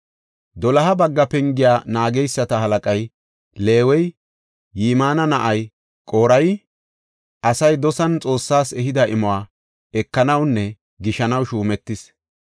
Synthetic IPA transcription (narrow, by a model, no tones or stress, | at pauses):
d̪ɔlɐɦɐbɐɡːɐpɛŋɡɪjaːnaːɡɛjsːɐt̪ɐɦɐlɐkʼɐj | le̞ːwɛjː | iːmaːnɐnɐʔɐj | kʼo̞ːɾɐj | ʔɐsɐjd̪ɔsɐnt͡sʼo̞ːsːaːsɛɦɪd̪ɐɪmɔwaː | ɛkːɐnɐwnːɛ | ɡɪʃɐnɐwʃuːmɛt̪ːɪs